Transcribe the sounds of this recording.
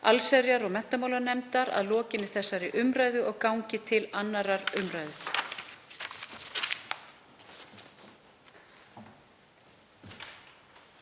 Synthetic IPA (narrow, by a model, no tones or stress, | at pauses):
a̰lsɛɾjaɾɔɣmɛn̥t̪amawlaɾnɛmt̪aɾa̰ðlɔːcɪnːɪθɛsːaɾɪʔʏmɾaːjðʏʔɔɣkawɲcɪt̪ʰɪlanːaɾaɾʏmɾaːjðʏ